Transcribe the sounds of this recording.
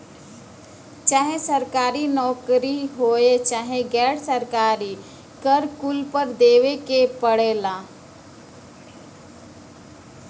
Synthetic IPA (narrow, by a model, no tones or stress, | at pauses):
t͡ʃaːɦesəɾkaːɾinɔːkɾiɦoːet͡ʃaːɦeɡɛːɽsəɾkaːɾi | kəɾkʊlpəɾd̪eːʋekepəɽeːlaː